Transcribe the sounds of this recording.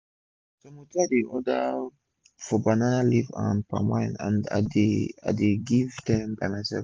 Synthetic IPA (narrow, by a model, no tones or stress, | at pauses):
tomotiadeʔɔda | fɔbananalivã̰npa̰mãjnã̰nda̰dea̰deɡivtãmbajmajsɛ̰lf